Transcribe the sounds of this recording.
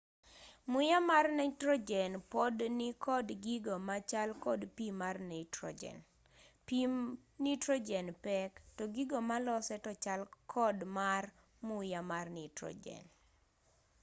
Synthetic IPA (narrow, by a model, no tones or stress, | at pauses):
mʊjamarnɛtɾɔd͡ʒɛnpɔdnɪkʰɔdɡiɡomat͡ʃalkɔdpimarnitɾɔ̰d͡ʒɛ̰n | pinitɾod͡ʒɛnpɛktɔɡiɡomalɔsɛtɔt͡ʃalkʰɔdmar | mʊjamarnitɾɔ̰d͡ʒɛ̰n